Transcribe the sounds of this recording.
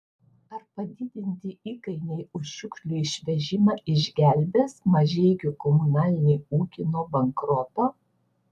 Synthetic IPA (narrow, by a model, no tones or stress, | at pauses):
ɐɾpɐd̪ʲɪd̪ʲɪnʲt̪ʲɪʔiːkɐɪnʲɛɪʊʃʃʲʊkʃʲlʲʊɪʃʲʋʲɛʒʲɪmɑːɪʒʲɡʲæˑlʲbʲeːsmɐʒʲɛɪɡʲʊkɔmʊnɑːlʲɪnʲɛɪuːkʲɪnoːbɐŋkɾɔt̪oː